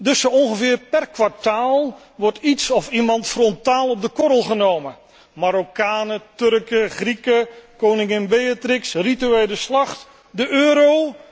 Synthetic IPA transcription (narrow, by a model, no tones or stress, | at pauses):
dɵsoɔnχəvɪːrpɛrkʋaɹtaːlˠ | ʋɔɹtitsɔfimɑntfrɔntaːlˠɔb̚dəkɔɾəlˠχənowmə | maɾokaːnətɵrkəχrikəkownɪŋɪnbejatrɪksrityejləslɑχt | dəʔøːɾow